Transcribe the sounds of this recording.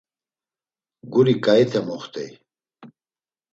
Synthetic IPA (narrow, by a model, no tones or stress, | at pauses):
ɡuɾikait̪ʰemuχt̪ḛj